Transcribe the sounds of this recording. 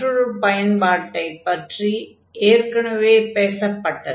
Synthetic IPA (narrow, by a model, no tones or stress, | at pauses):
ɾuɭupɐjɐnbaːʈːɐɪpːɐʈri | eːɾkɐɳɐʋeːpeːsɐpːɐʈːɐð